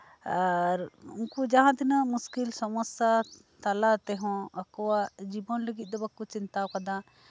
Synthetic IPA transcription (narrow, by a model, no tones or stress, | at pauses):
aɾṵnkud͡ʒaɦãt̪inamuskilsɔmɔsja | t̪alat̪ɛɦɔ̃akɔwad͡ʒibɔnləɡit̪̚ˀd̪ɔbakːut͡ʃint̪akad̪ã